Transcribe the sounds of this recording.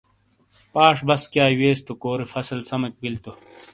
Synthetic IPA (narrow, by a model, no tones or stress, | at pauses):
paːʂbɐskjaːweːst̪ukoːɾefɐsɐlsɐmɐk̚bilt̪o